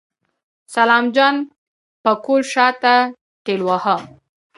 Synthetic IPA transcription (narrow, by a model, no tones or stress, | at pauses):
salɑmd͡ʒɑn | pəkolʃɑt̪a | ʈelwaha